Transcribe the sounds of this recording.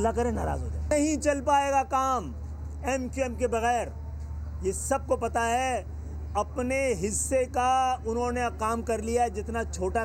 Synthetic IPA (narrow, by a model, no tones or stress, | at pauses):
zakɐɾẽna̰ːɾa̰ːzɦo̰ːd͡ʒaːɐɦĩt͡ʃɐlpaːeːɡakaːm | ɛmkiɛmkebɐɣɛːɾ | jesɐb̚kopɐt̪aɦɛ | ɐpneɦɪsːekaʊnɦõneqaːmkɐɾlijaɦɛd͡ʒɪt̪nat͡ʃʰoːʈa